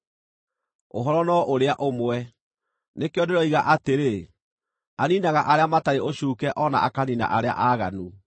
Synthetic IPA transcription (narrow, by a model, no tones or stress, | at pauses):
o̰ɦɔɾɔnɔʔoɾeaʔomwɛ | nekeɔdeɾɔiɣaʔateɾe | aninaɣaʔaɾeamataɾeʔoɕuːkɛʔɔna̰ʔakanina̰ʔaɾea̰ʔaɣanu